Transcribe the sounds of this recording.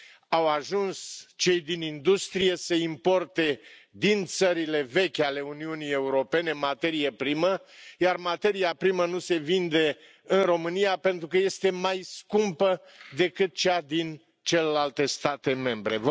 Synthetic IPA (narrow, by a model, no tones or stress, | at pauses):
awaʒunst͡ʃe̞jd̪inind̪ust̪ɾije̞səimpo̞rt̪e̞d̪int̪səɾile̞ve̞kʲale̞uniunije̞uɾo̞pe̞ne̞mat̪e̞ɾijepɾiməjarmat̪e̞ɾijapɾimənuse̞vind̪e̞ | ɨnro̞mɨnijape̞nt̪ɾukəje̞st̪e̞majskumpə | d̪e̞kɨt̪̚t͡ʃead̪in | t͡ʃe̞lelalt̪e̞st̪at̪e̞me̞mbɾe̞̰v